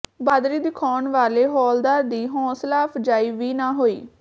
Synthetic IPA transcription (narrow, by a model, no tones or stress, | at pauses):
baːd̪ɾiːd̪ɪkʰaːɳʋaːleːɦɔːld̪aːɾd̪iːɦɔ̃ːslaːpʰd͡ʒaːiːʋiːnaːɦoːiː